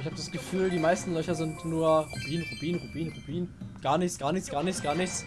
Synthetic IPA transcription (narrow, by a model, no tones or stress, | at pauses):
ɪçhaːbəd̥asɡ̥əfyːldiːmaɪstn̩lœçɐzɪntnuːɐʁubiːnʁubiːnʁubiːnʁubiːnɡ̥aːɐnɪçt͡sɡ̥aːɐnɪçt͡sɡ̥aːɐnɪçt͡sɡ̥aːɐnɪçt͡s